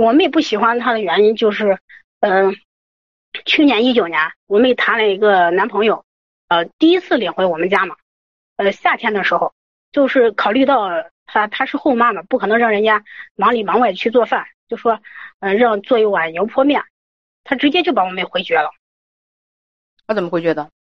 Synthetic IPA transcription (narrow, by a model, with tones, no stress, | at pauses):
wɔ˨˩mə˥˩˥pu˥˩ɕi˨˩xwa˥nt̪ʰa˥d̪ə˨ɥɛ˧˥ni˥nt͡ɕjo˥˧ʊʂɻ̩˥˩ | ə˧ | t͡ɕʰy˥˩njɛ˧˥ni˥t͡ɕjo˨˩ʊnjɛ˧˥nwɔ˨˩mə˥˩i˨˩t̪ʰa˧˥nlə˧˩i˧˥ɡə˧na˧˥npʰɤ˧˥ŋjo˨˩ʊ | ə˧t̪i˥˩i˥t͡sʰɹ̩˥˩li˨˩ŋxwe˧˥ɪwɔ˨˩mə˦nt͡ɕja˥mɐ˩ | ə˧ɕja˥˩t̪ʰjɛ˥nd̪ə˨ʂɻ̩˧˥xo˧ʊ | t͡ɕjo˥˧ʊʂɻ̩˥˩kʰɑ˨˩ʊly˥˧t̪ɑ˥˩ʊt̪ʰa˥t̪ʰa˥ʂɻ̩˥˧xo˥˧ʊma˥˩mə˩pu˥˩kʰɤ˨˩nɤ˧˥ŋɻɑ˥˩ŋɻə˧˥nt͡ɕja˥mɑ˧˥ŋli˨˩mɑ˧˥ŋwa˥˩ɪt͡ɕʰy˥˧t͡swɔ˥˧fa˥˩nt͡ɕjo˥˧ʊʂʂwɔ˥ə˧ɻɑ˥˧ŋt͡swɔ˥˧i˥˩wa˨˩njo˧˥ʊpʰwɔ˥mjɛ˥˩n | t̪ʰa˥ʈ͡ʂɻ̩˧˥t͡ɕjɛ˥t͡ɕjo˥˩ʊpa˧˥wɔ˨˩m˧˥˧xwe˧˥ɪt͡ɕɥɛ˧˥lə˨ | t̪ʰa˥t͡sə˨˩mə˥xe˧˥ɪt͡ɕɥɛ˧˥d̪ə˧